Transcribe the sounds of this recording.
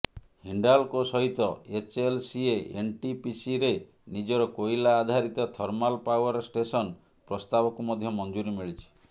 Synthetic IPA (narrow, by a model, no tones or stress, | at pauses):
hiɳɖalkosɔɦit̪ɔet͡ʃelsieenʈipisiɾe | nid͡ʒɔɾɔkoilaːd̪ʱaɾit̪ɔt̪ʰɔɾmalpawɔɾsʈesɔn | pɾɔst̪abɔkumɔd̪ʱjɔmɔnd͡ʒuɾimiɭit͡ʃʰi̥